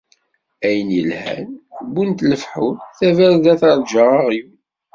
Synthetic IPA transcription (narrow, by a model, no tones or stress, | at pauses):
æjənjəlhæ̰nbunt̪ləfħunθævæɾðæθəɾˤd͡ʒəʁɑʁjun